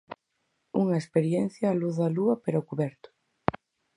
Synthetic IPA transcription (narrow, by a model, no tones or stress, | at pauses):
uŋɐespeɾjen̟θjaːluθððɐluɐpeɾokuβɛɾt̪ʊ̥